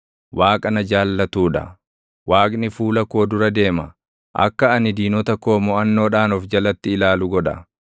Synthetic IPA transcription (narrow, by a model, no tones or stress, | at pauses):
waːkʼɐnɐd͡ʒaːlːɐt̪uːᶑɐ̰ | waːkʼnɪfuːlɐkoːd̪ʊɾɐd̪e̞ːmɐ | ʔɐ̰kːɐɐnɪd̪iːnɔt̪ɐkoːmɔɐnːo̞ːᶑaːnɔfd͡ʒɐlɐt̪ːɪɪlaːlʊɡɔᶑɐ̰